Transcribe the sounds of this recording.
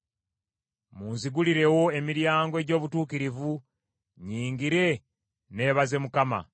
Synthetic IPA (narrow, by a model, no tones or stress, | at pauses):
muːnziɡuliɾe̞wo̞e̞miɾjaːŋɡoɟo̞ːβutuːkiɾivu | ɲiːŋɡiɾe̞ | ne̞ːβaze̞mukama̰